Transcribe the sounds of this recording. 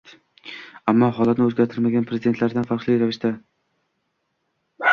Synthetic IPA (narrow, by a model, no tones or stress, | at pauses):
amːɒɦɒlˠat̪nɪɵzɡʲaɾt̪ʰɪɾmaɡʲanpʰɾezɪd̪e̞t̪laɾd̪anfaɾqlˠijɾavɪʃt̪a